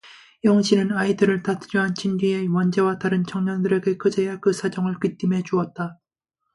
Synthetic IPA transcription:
jʌŋɕ͈ʰinɯnaidɯɾɯɭtatʰɾuɦant͡ɕʰindɥie̞wʌnd͡ʑe̞wataɾɯnt͡ɕʰʌŋɲʌndɯɾe̞ɡe̞kɯd͡ʑejakɯsʰad͡ʑʌŋɯɭkit͈imɦe̞d͡ʑuʌt̚t͈a

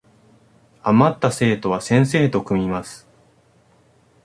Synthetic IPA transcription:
amat̪ːase̞ːt̪o̞β̞asẽ̞ɰ̃se̞ːt̪o̞kɯ̟mʲimasɨ̥

